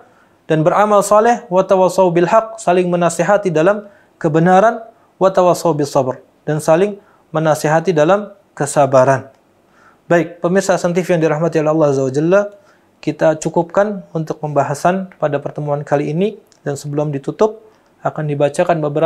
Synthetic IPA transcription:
d̥anbəramalsɑlɛhwat̪awɑsːɑwubɪlhaq̚salɪŋmənaseɦat̪idalam | kəbənaɾan | wat̪awɑsˤːɑwbɪsˤːɑbr | d̥ansalɪŋ | mənaseɦat̪idalam | kəsabaɾan | baɪk̚pəmɪrsasɛnt̪̬ifjaŋdiɾahmat̪iolɛhɑlˠːɑazawad͡ʒalːa | kit̪at͡ʃukʊp̚kanunt̪ʊk̚məmbaɦasanəpadapərt̪əmuankaliːni | dansəbəlʊmdit̪ut̪ʊp̚ | akandibat͡ʃakanbəbəɾa

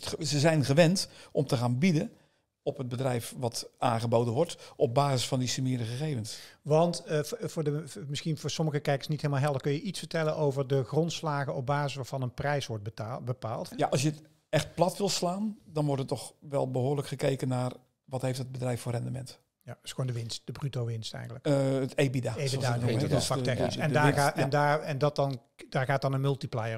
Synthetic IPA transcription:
zəzɛjnχəʋɛntʔɔmtəχaːnbidə | ɔpɦəd̚bədrɛjfʋɑtaːnχəbowdənʋɔɹtɔb̚baːzɪsfɑndisəmɪːdəχəχejvənsʋɑntvʊːɹdəmɪsxinvʊːɹsɔməɣəkɛjkə̥ɹsnitɦelmalˠɦɛlˠdəɹkɵnjəʔitsfəɹtɛlənʔowvəɹdəχrɔntslaːɣənɔb̚baːzɪsʋaːɹvɑnənprɛjsʋɔɹt̚bəpa̰ːlˠtjaʔɑsjət | ɛxt̚plˠɑtʋɪlˠslaːndɔnʋɔrtətɔxʋɛ̰lˠbəɦoːrləkχəkejkənaːr | ʋɔthejftəd̚bədrɛjffʊːrɛndəmɛ̰nt | jadsxoːndəʋɪnst̚d̥əbrytowʋɪnstɛ̰jəndləkətebidaeidaɔfaktɛxnisɛndaːandaːɛndɑt̚ɑn | daːɹɣaːt̚dɑnənmʏlˠtiplajər

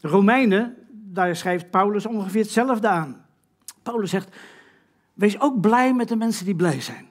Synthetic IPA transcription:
romɛjnədaːɹsχrejft̚pawləsɔ̃nχəfɪːətsɛləvdəaːn | pawləsːɛxt | ʋejsowk̚blɛjmɛt̚dəmɛnsəndiblɛjzɛjn

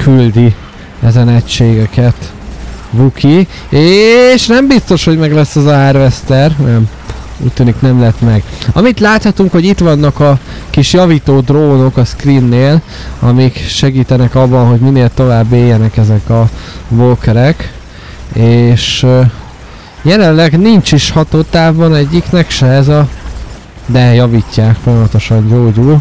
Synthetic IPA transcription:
kʰyld̪i | ɛzɛnɛcʃeːɡɛkɛt̪ | vukʰi | eːʃnɛmbist̪o̞ʃho̞ɟmɛɡlɛsːɛzɒaːrvɛst̪ɛrnɛm | ṵːc̚ʲt̪yːniknɛmlɛt̪mɛɡɒmit̪laːt̪hɒt̪uŋkho̞ɟit̪ʋɒnːɒkɒ | kiʃjɒviːt̪oːd̪roːno̞kɒskrinːeːl | ɒ̰mikʃɛɡiːt̪ɛnɛkɒbːɒnɦo̞ɟmineːlt̪o̞vaːbːeːjːɛnɛkɛzɛkɒvokɛɾɛk | eːʃ | jɛlɛllːɛɡnint͡ʃiʃhɒt̪oːt̪aːvːɒnɛɟːiknɛkʃɛɛzɒ | d̪ɛjɒviːcːaːkfo̞jɒmɒt̪o̞ʃɒɲɟoːɟul

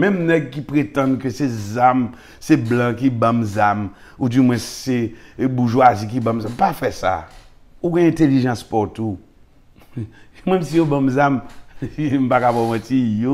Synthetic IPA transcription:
mɛ̃mnɛɡ̚kipɣetãnkøsezam | seblãkibãmzam | udimwɛ̃sebuʒwazik̬ibãmzampafɛsa̰ | uɡɛ̃ɛ̃teliʒɑ̃spɔtu | mɛ̃msijobãmzam | m̩pakabɔmãtijo

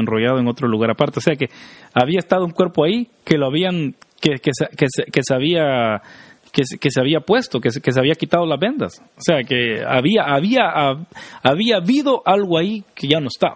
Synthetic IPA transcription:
enro̞ʝaðoeŋo̞t̪ɾo̞luɣaɾapaɾt̪eose̞akeaβiaest̪að̞ouŋkwe̞ɾpoaike̞loaβiaŋkekesekeseke̞seaβia | keske̞seaβiapwe̞st̪o̞keskes̬eaβiakit̪aðo̞lazβe̞nd̪a̰s | oseakea̰βiaʔaβia | aβiaβiðo̞ʔalɣoaike̞ʝano̞est̪aβ

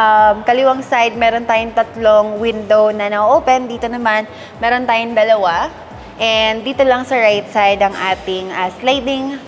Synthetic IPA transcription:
ʔɐmkɐlɪwɐŋsajd̪̚mɛːɾont̪aːjoŋt̪ɐt̪loŋwɪnd̪o̞wnɐnɐʔoʔoːpɛnd̪iːt̪o̞nɐman | mɛːɾont̪aːjoŋd̪ɐlɐwa | ʔɛnd̪iːt̪o̞lɐŋsɐɹajt̪sajd̪ɐŋʔaːt̪ɪŋʔɐslajd̪ɪŋ

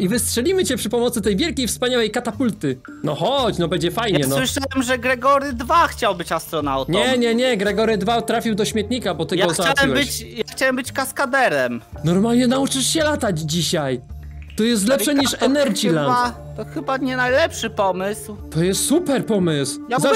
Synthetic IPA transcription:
ivɘstʂɛlʲimɘt͡ɕɛpʂɘpɔmɔt̪sɘt̪ɛjvʲjɛlkʲejfspaɲawɛjkat̪apult̪ɘ | nɔxɔt͡ɕnɔbɛɲd͡ʑɛfajɲɛnsɔwɘʂawɛmʐɛɡɾɛɡɔɾɘd̪vaxt͡ɕawbɘt͡ɕast̪ɾɔnawt̪ɲɛɲɛɲɛɡɾɛɡɔɾɨd̪vat̪ɾafʲiwd̪ɔɕmʲjɛt̪̚ɲikabɔt̪ɛjaɔzaawɛiwɛɘjaxt͡ɕawɛmbɘt͡ɕkaskad̪ɛɾɛmnɔɾmalɲɛnaut͡ʂɘʂɕɛlat̪ad͡ʑd͡ʑiɕaj | t̪ɔjɛst̪lɛpʂɛɲiʂɛnɛɾd͡ʑilan | t̪ɔxɘbaɲɛnajlɛpʂɘpɔmɘswt̪ɔjɛst̪supɛɾpɔmɘswjaza

